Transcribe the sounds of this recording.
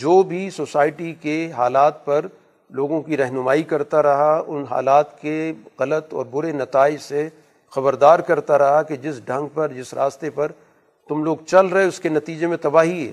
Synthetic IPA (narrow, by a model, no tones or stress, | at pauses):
d͡ʒoːbʱisoːsaːɪʈikeɦaːlaːt̪̚pɐɾ | loːɡõkiɾɛɦnʊmaːikɐɾt̪aɾɐɦaʊnɦa̰ːlaːt̪keɣɐlət̪ɔ̰ːɾbʊɾenɐt̪aːɪd͡ʒse | xɐbəɾd̪aːɾkɐɾt̪aɾɐɦaked͡ʒɪsɖʱɐ̃ŋɡ̚pɐɾd͡ʒɪsɾa̰ːst̪epɐɾ | t̪ʊmloːɡt͡ʃɐlɾɐɦeʊskenɐt̪iːd͡ʒemẽt̪ɐbaːɦiɦɛ̰ː